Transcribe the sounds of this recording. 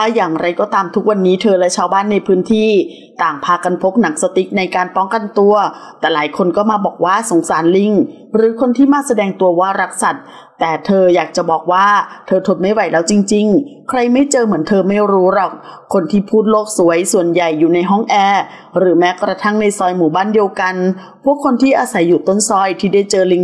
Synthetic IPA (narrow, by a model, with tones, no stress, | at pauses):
a˧˥˩jaː˨˩ŋɾa˧jkɔː˧˩t̪aː˧mt̪ʰu˦˥k̚wa˧nːiː˦˥t̪ʰɤː˧lɛ˦˥t͡ɕʰaː˧wbaː˥˩nːa˧jpʰɯː˦˥nt̪ʰiː˥˩ | t̪aː˨˩ŋpʰaː˧ka˧npʰo˦˥k̚na˩˦˥ŋ̚sa˧t̪i˨˦˩k̚na˧jkaː˧npɔː˦˥ŋka˧nt̪u˧ɐt̪ɛː˨˩laː˩˦jkʰo˧nkɔː˥˩maː˧bɔː˨˩k̚waː˥˩so˨˩˦ŋsaː˩˦nli˧ŋ | ɾɯː˩˦kʰo˧nt̪ʰiː˥˩maː˧˥sa˧dɛː˧ŋt̪u˧ɐwaː˥˩ɾa˦˥k̚sa˨˩t̪̚ː | ɛː˨˩t̪ʰɤː˧jaː˨˩k̚t͡ɕa˨˩bɔː˨˩k̚waː˥˩t̪ʰɤː˧t̪ʰo˧t̪̚ma˥˩jwa˨˩jlɛː˦˥wt͡ɕi˧ŋt͡ɕi˧ŋkʰɾa˧jma˥˩jt͡ɕɤː˧mɯ˩˦ənt̪ʰɤː˧ma˥˩jɾuː˦˥ɾɔː˨˩k̚ʰː | o˧nt̪ʰiː˥˩pʰuː˥˩t̪̚loː˥˩k̚su˩˦əjsu˨˩ənja˨˩jːuː˨˩na˧jɦɔ˥˩ŋʔɛː˧ | ɾɯː˩˦mɛː˦˥kɾa˧t̪ʰa˥˩ŋna˧jsɔː˧jmuː˨˩˦baː˥˩ndi˧əwka˧n | pʰu˥˩əkʰːo˧nt̪ʰiː˥˩ʔaː˧sa˩˦jːuː˨˩t̪o˥˩nsɔː˧jt̪ʰiː˥˩da˥˩jt͡ɕɤː˧li˧ŋ